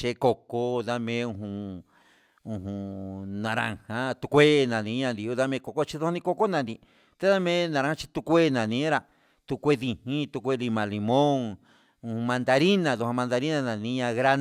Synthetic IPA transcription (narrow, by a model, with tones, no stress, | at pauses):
t͡ʃe˧˦ko˧ko˦˧ða˦mẽ˧˦˧ũ˧ɦũ˧ | ũ˧˨ɦũ˧˨nã˧ɾã̰˧hã˦t̪u˧kʷe˦˧nã˨nĩ˧˦ɲã˧nd̪i˧u˧ða˦mẽ˧˦˧ko˧ko˦t͡ʃi˧ðo˧hã˦˧nĩ˧ko˦˧ko˦nã˧nd̪i˧ | t̪e˧˦ða˦mẽ˦nã˧ɾã˧˦hã˧t͡ʃi̥˧t̪u˧kʷe˦˧nã˨nĩ˧˦ã˦ɾa˧ | t̪u˧kʷe˦ði˧hĩ˦t̪u˧kʷe˦˧˦li˧mã˧˨li˧mõ˦ŋ | ũ˧hũ˧mã˧nd̪a˧ɾi˦nã˧ðo˧hã˧mã˧nd̪a˧ɾi˦nã˧nã˨nĩ˧˦ɲã˧ɣɾa˦n